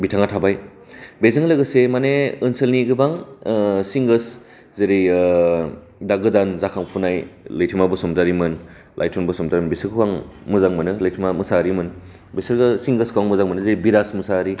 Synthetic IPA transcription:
bitʰaŋatʰabaj | bezɯŋlɯɡɯsemaneɯnsɯlniɡɯbaŋ | siŋɡɯs | zeɾi | daɡɯdanzakʰaŋpʰunajlɯjtʰimabɯsɔmtaɾimɯn | lʔa̰jtʰɔnbɯsɔmdaɾimnbesɯɾkʰwaŋmɯzaŋmɯnɯlɯjtʰimamɯsaɾimɯn | besɯɾɡɯsiŋɡɯskʰwaŋmɯzaŋmɯnɯzeɾibiɾasmɯsaɾi

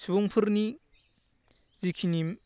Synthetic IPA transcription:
sʰibuŋpʰɯɾni | zikʰini

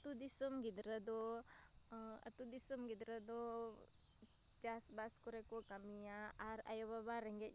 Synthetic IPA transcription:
t̪ud̪isəmɡid̪ɾəd̪ɔ | ə̰t̪ud̪isəmɡid̪ɾəd̪ɔ | d͡ʒasbaskɔɾɛkɔkamijaːɾa̰jɔβabaɾɛŋɡɛ

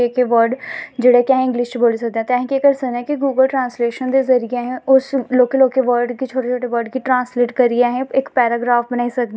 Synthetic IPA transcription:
ekeʋəɾɖd͡ʒeːɽekjaːɦɛ̃ɪ̃ŋɡliːst͡ʃboːlsɐkd̪ẽɛ̃t̪ɛːɦĩkekəɾsəkd̪eɛ̃kiɡuːɡəlʈɾãːnsleːʃənd̪ezəɾɪjeɦɛ̃ʊsloːkəloːkeʋəɾɖkit͡ʃʰoːʈet͡ʃʰoːʈeʋəɾɖkiʈɾãːnsleːʈkəɾieɦɛ̃ɪkpɛːɾaːɡɾaːfbənaːisɐk̚d̪

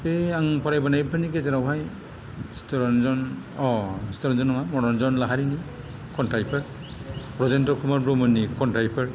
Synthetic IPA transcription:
peaŋpaɾajbanajpʰanikezeɾawɦaj | stɔɾɔnzɔn | ɔstɔɾɔnzɔnɔmamɔɾɔnzɔnlaɦaɾini | kʰɔntajpʰaɾ | pɾɔzentɔkʰumaɾbɾɔmɯnːikɔntajpʰaɹ

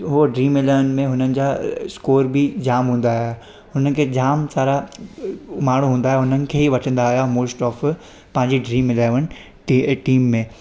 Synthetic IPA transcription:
ɦoɖɾiːmɪlaːʋənɪ̆mẽɦʊnənɪ̆d͡ʑaːskoːɾbɪd͡ʑaːmɦũːn̆d̪aːɦja | ɦʊnənkʰeːd͡ʑaːmsaːɾa | maːɽ̤̃ũɦũːnd̪aːɦjeɦʊnənɪ̆kʰeːɦiʋɐʈʰə̃nd̪aːɦjamoːsʈɔːf | pɐ̃ɦɪ̃ɲd͡ʑiɖɾiːmɪlaːʋəñɪ̆ | ʈiːmːẽ

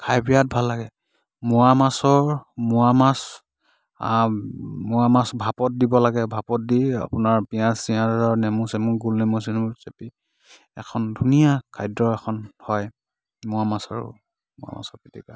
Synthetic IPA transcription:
kʰajbijat̚bʱalːaɡɛ | mʊwamasɔɹmʊamas | a̰ | mʊamasbʱapɔt̚dibɔlaɡɛbʱapɔt̚dia̰pʊnaɹpijãsiãaɹnɛmusɛmuɡulnɛmusinmusepi | ɛ̰kʰɔndʱunijakʰajdɹɔɛkʰɔnhɔj | mʊamasaɹʊ̰ | mʊ̰a̰ma̰sɔɹpitʰika

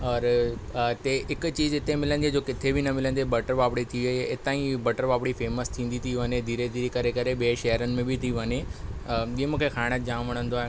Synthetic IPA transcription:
ɔːɾ | t̪eɪkt͡ɕiːzɪt̪emɪlə̃nd̪ied͡ʑoːkɪt̪ʰebʱinɐmɪlə̃nd̪ebɐʈəɾʋaːpɽet̪ʰiʋeeɪt̪aːĩbɐʈəɾʋaːpɽifeːməst̪ʰĩːnd̪it̪ʰiʋɐɲed̪ʱiːɾed̪ʱiːɾekɐɾekɐɾeɓiʃɐɦəɾənɪ̆mẽbʱit̪ʰiʋɐɲe | iemũːkʰexaːɪɽ̃ət̪̚d͡ʑãːmʋɐɽ̃ə̃nd̪oaːɦe

